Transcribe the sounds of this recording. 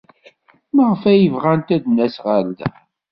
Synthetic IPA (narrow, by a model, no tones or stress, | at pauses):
məʁfæjəvʁænt̪æd̪næsʁald̪æ̰